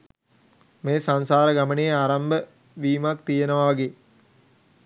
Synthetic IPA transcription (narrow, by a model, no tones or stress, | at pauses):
meːsansaːɾəɡamənejeaːɾambə | ʋiːmakt̪ijenəʋaʋaɡeː